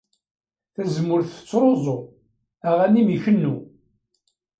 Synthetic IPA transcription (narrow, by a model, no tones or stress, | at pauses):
θæzəmːʊɾθə̥t͡sːɾˤozˤo | æʁænimiçənːu